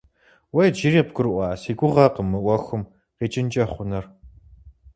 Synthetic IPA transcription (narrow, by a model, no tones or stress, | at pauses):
wɐjd͡ʒiɾiːpɡɨɾʔʷɑːsiːɡʷʊʁɐqəmːɨʔʷɐxʊm | qeːt͡ʃʼɪnt͡ʃʼɐχʷʊnɐr